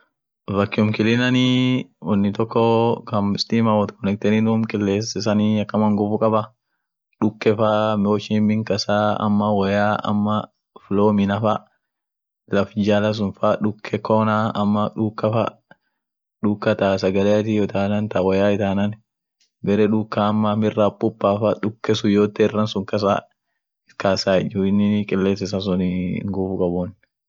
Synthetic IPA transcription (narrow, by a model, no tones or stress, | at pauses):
vɐkːɪʊmkɪlɪnɐniwɔnːɪt̪ɔkːɔkɐmɪst̪iːmawɔt̪kɔnɛk̚t̪ɛninʊmkʼɪlːeːsɪsɐniɐkːɐmɐŋɡɔfʊkʼɐbɐ | ᶑʊkːɛfamoːt͡ʃɪmɪŋkɐsaːɐ̰mːɐwɐjaːɐ̰mːɐ | floːmɪnɐfɐ | lɐfd͡ʒaːlɐs̬ʊnfaᶑʊkʰːɛkoːnaɐmːɐᶑukːɐfɐ̰ | ᶑʊkːɐt̪aːsɐɡɐlɛɐt̪ijɔt̪aːnɐnt̪ɐwɐjaːɪt̪aːnɐn | bɛɾɛᶑʊkːaːmːɐmɪrːapʼːʊpːaːfaᶑʊkːɛsʊjoːt̪ːɛɪrːɐnsʊŋkɐs̬a̰ | kaːsaːɛd͡ʒuɪnːɪkʼɛlːeːs̬ɛsas̬ʊnɪŋɡufʊkʼɐbɔn